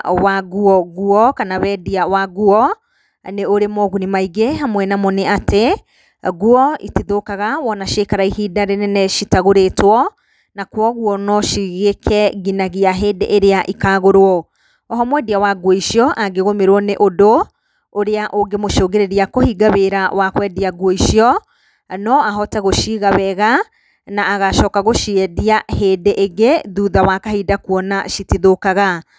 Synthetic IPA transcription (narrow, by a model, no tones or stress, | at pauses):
waɣuɔɣuɔkanawɛdiawaɣuɔ | neoɾemɔɣunimaiɣeɦamwɛnamɔneate | ɣuɔḭtiðokaɣawɔnaʃekaɾaihiːdaɾenɛnɛʃitaɣoɾetwɔ | nakwɔɣuɔnɔʃiɣekʰɛɣinaɣiaɦeːdɛ̰ʔeɾeaʔikaːɣoɾwɔ | ɔɦɔmwɛdiawaɡwɔiʃiɔʔaɡeɣomeɾwɔneʔodo | oɾeaʔoɡemoʃoːɡeɾeɾiakohiɡaβeɾawakwɛdiaɡwɔiʃiɔ | nɔaɦɔtaɣoʃiɣaβɛɣa | naːɣaʃɔːkaɣoʃiɛdiahedeʔeɣeðuːðawakahiːdakuɔnaʃitiðokaɣa